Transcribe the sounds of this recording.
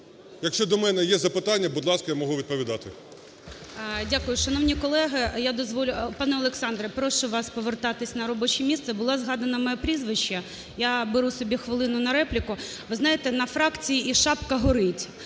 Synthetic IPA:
jɐkʃt͡ʃɔd̪ɔmɛnɛjɛzɐpɪt̪ɑnʲːɐbud̪lˠɑskɐjamɔɦuʋʲid̪̚pɔʋʲid̪ɑt̪ɪ | dʲakʊjʊʃɐnɔwnʲikɔlˠɛɦɪjad̪ɔzʋɔlʲʊpɑnɛɔlˠeksɑnd̪ɾɛpɾɔʃʊʋɑspɔʋert̪ɑt̪ɪsʲnɐɾɔbɔt͡ʃɪmʲist̪sɛbʊlˠɑzɦɑd̪ɐnɐmɛɛpɾʲizʋɪʃt͡ʃːɐ | jabeɾusɔbʲixʋɪlˠɪnʊnɐɾɛplʲɪkʊ | ʋɪznɑjet̪ɛnɐfɾɑkt͡sʲijiʔiʃɑpkɐɦɔɾɪtʲ

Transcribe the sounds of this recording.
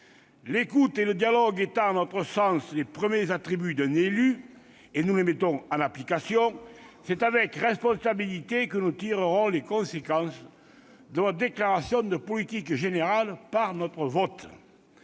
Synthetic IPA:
lekut̪eləd̪jalɔɡet̪ɑ̃nɔt̪χəsɑ̃slepχəmjezat̪χibyd̪ɛ̃nely | enulemet̪ɔ̃ŋɑ̃naplikasjɔ̃sɛt̪avɛkʁɛspɔ̃sabilit̪ekənut̪iʁəʁɔ̃lekɔ̃sekɑ̃sə | d̪əvɔt̪d̪eklaʁasjɔ̃d̪əpɔlit̪ikʒeneʁalpaʁnɔt̪χəvɔt̪

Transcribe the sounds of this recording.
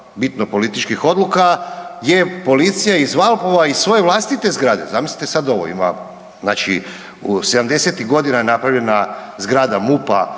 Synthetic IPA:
bit̪nopo̞lit̪it͡ʃkixo̞d̪lukajepo̞lit̪sijaizʋalˠpoʋaisʋo̞je̞ʋlˠast̪it̪e̞zɡɾaːd̪e̞̰zamisli̥t̪esad̪o̞ʋo̰ḭma̰ | zna̰ːt͡ʃḭ | use̞d̪amd̪e̞se̞t̪iɣɡo̞d̪inajenapɾavʎe̞nazɡɾaːd̪amupa̰

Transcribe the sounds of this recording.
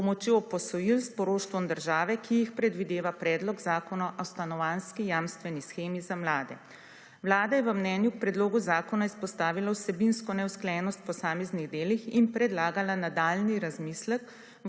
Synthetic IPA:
ɔmɔt͡ʃjopɔsɔjilspɔɾoːʃt̪ʋɔmd̪əɾʒaːʋɛkʰijixpɾɛd̪ʋid̪eːʋapɾɛːd̪lɔɡzaːkɔnɔʔawst̪anɔʋanskijaːmst̪ʋɛnisxeːmizamlaːd̪ɛ̰ | ʋlaːd̪ajɛʋəmnɛnjuk̚pɾɛd̪loːɡuzaːkɔnaispɔst̪aːʋilawsɛbinskɔnɛwsklɛjɛnɔst̪pɔsaːmɛzniɣd̪eːlixinpɾɛd̪laːɡalanad̪aːlniɾazmislɛk

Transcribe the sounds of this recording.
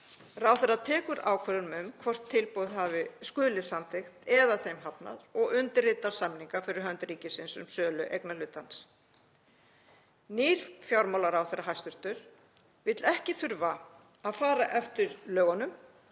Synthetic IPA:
rawθɛrat̪ʰɛːkʏɾʔaːwkʰvɛɾʏnmʏmkʰvɔr̥t̪ʰːɪlpowðɦavɪskʏːlɪsamt̪ʰɪxt̪ɛðaθejmɦapna̰ðɔɣʏnt̪ɪrɪt̪ḁsamniŋkafɪɾɪɾ̥ɦœnt̪ɾiːcɪsɪnsʏ̰msœːlʏʔejknalʏt̪ːans | niːɾ̥fjawɾmawlaɾawθɛɾaɦajst̪ʏɾ̥t̪ʏɾ̥ | vɪt̪lɛhcɪθʏɾva | aðfaːɾaʔɛft̪ɪɾlœːɣanʏm

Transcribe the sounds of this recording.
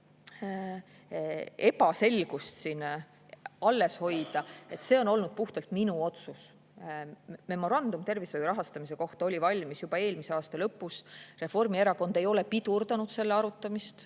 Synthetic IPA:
e̞pɑse̞lɡ̥ust̪sin | ɑlːe̞sho̞jd̪̥ɑe̞t̪ːˑse̞ːo̞no̞lnud̪̥̚puht̪elt̪minuo̞t̪sus | me̞mo̞ɾɑnd̪̥umt̪e̞rvisojuɾɑɦɑst̪ɑmise̞ko̞ht̪ɑo̞lʲivɑlʲmisjub̥ɑe̞ːlmise̞ɑːst̪ɑlɤpːˑusre̞fo̞rmie̞ɾɑko̞nd̪̥e̞jo̞le̞pid̪̥urd̪̥ɑnud̪̥se̞lːeɑɾut̪ːˑɑmist̪

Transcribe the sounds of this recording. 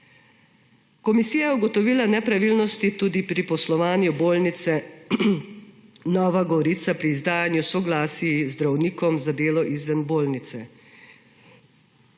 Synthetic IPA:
kɔmisiːjajɛuɡɔt̪ɔʋiːlanɛpɾaʋilnɔst̪it̪uːd̪ipɾipɔslɔʋaːnjuboːlnit̪sɛ | nɔːʋaɡɔɾiːt̪sapɾiːzd̪aːjanjusɔɡlaːsiizd̪ɾawniːkɔmzad̪eːlɔʔizʋɛnboːlnit̪sɛ

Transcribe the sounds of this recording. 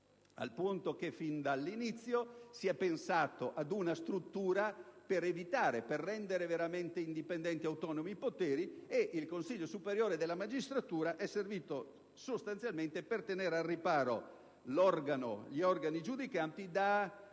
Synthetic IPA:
a̰lpunt̪okefːind̪alːinit̪sːjosiɛpensaːt̪oʔad̪unast̪ɾut̪ːuːɾapeɾevit̪aːɾeperːɛnd̪eɾeveɾament̪eind̪ipend̪ɛnt̪iawt̪ɔnomipot̪eːɾieʔilkonsiʎːosupeɾjoːɾed̪elːamad͡ʒist̪ɾat̪uːɾaʔɛsːerviːt̪o | sost̪ant̪sjalment̪epert̪eneːɾearːipaːɾo | lɔrɡano̰ʎiɔrɡanid͡ʒud̪ikant̪id̪a

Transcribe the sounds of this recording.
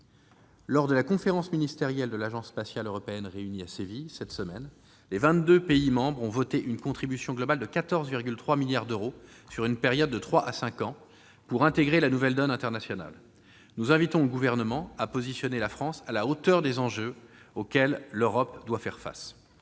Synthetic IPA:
lɔʁd̪əlakɔ̃feʁɑ̃sminist̪eʁjɛld̪əlaʒɑ̃sːpasjaløʁɔpeɛnʁeyniasevisɛt̪səmɛn | levɛ̃t̪̚d̪øpeimɑ̃bʁɔ̃vɔt̪eʔynkɔ̃t̪χibysjɔ̃ɡlɔbald̪əkat̪ɔʁzviʁɡʲylt̪χwamiljaʁd̪øʁo | syʁynpeʁjɔd̪ːət̪χwaʔasɛ̃kɑ̃ | puʁɛ̃t̪eɡʁelanuvɛld̪ɔnɛ̃t̪ɛʁnasjɔna̰l | nuzɛ̃vit̪ɔ̃ləɡuvɛʁnəmɑ̃apozisjɔnelafχɑ̃salaot̪œʁd̪ezɑ̃ʒøokʲɛlːøʁɔpd̪wafɛʁfa̰s

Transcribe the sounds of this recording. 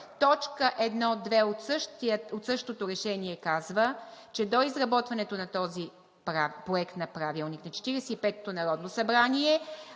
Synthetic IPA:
t̪ɔt͡ʃkəʔɛd̪nɔd̪vɛot̪sɤʃt̪əot̪sɤʃt̪ot̪oɾɛʃɛniɛkazvət͡ʃɛd̪oizɾɐbɔt̪vɐnɛt̪onɐt̪ɔzi | pɾapɾoɛkt̪nɐpɾavilˠniknɐt͡ʃɛ̥t̪iɾɛsɛipɛt̪ːonɐɾɔd̪nosɐbɾaniɛ

